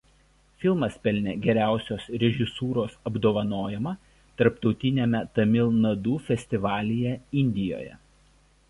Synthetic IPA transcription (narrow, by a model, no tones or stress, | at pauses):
fʲɪlˠmɐspʲɛlʲnʲeɡʲɛɾʲæˑʊsʲoːsɾʲɛʒʲɪsuːɾoːsɐbd̪oːʋɐnoːjɛmɐ | t̪ɐɾpt̪ɒʊt̪ʲɪnʲemʲɛt̪ɐmʲɪlˠnɐd̪uːfʲɛsʲt̪ʲɪʋɑːlʲɪjɛɪnʲd̪ʲɪjo̰ːjɛ̰